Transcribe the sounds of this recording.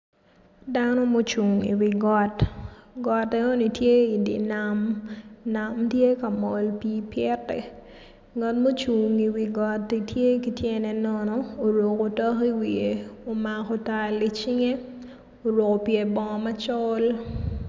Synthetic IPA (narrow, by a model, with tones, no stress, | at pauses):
danɔ˦mo˦t͡ʃu˨ŋḭ˨wi˨ɡɔ˨tɡɔ˨tɛ˦o˦ni˨tje˦i˨dḭ˨na˨mna˨mtje˦ka˨mɔ˨lpiː˦pjɛ˦tːɛ̰˨ | ŋa˨tmo˦t͡ʃu˨ŋi˨wi˨ɡɔ˨tːi˨tje˦ki˨tje˦nɛ˦nɔnɔ˨o˨ɾo˨ko˨tɔ˦ki˦wi˨e˨o˨ma˨ko˨ta˨li˨t͡ʃi˦ŋe˦ | o˨ɾo˨ko˨pje˨bɔ˨ŋɔma˦t͡ʃɔ˦l